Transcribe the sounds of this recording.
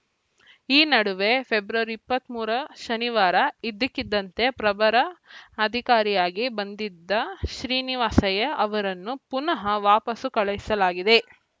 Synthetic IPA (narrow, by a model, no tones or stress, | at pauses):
iːnɐɽuʋe̞pʰebɾɐʋɐɾipːɐt̪muːɾɐʃɐniʋaːɾɐid̪ːikːid̪ːɐnt̪e̞pɾɐbɐɾɐːd̪ʱikaːɾijaːɡibɐnd̪id̪ːɐʃɾiːniʋaːsɐjɐʔɐʋɐɾɐnːupunɐɦɐʋaːpɐsukɐɭɐjisɐlaːɡid̪e̞